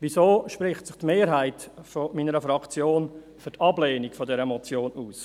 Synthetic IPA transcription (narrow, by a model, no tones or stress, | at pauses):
ʋisoːʃpɾɪχtsɪχtmeːɾɦaɪtfomiːnəɾəfɾɑkt͡sjoːn | fyɾtʰɑbleːnikfodɛɾəɛmɔt͡sjoːnuːs